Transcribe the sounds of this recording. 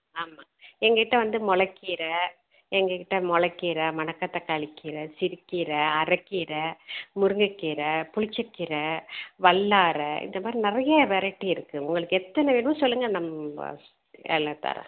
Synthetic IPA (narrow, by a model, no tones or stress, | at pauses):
aːmaːɛŋɡɐkɪʈːɐʋɐnd̪ɯmɔɭɐkːɪɾɐ | ɛŋɡɐkɪʈːɐmɔɭɐkːɪɾɐmɐnɐkːɐt̪ːɐkːaɭɪkːɪɾɐsɪɾɪkːɪɾɐɐɾɐkːɪɾɐmʊɾɯŋɡɯkːɪɾɐpʊɻɪt͡ʃːɐkːɪɾɐʋɐɭːaːɾɐɪ̰nd̪ɐmaːd̪ɾinɪrɐjɐʋɛɾɐʈːiɪɾɯkːɯʊŋɡɐɭɯkːɯɛt̪ːɐnɐʋiɳɐmɐsɔlːɯŋɡɐnɐmɐ̰ | ɛ̰ːlːɐt̪ːa̰ːɾɐ̰̃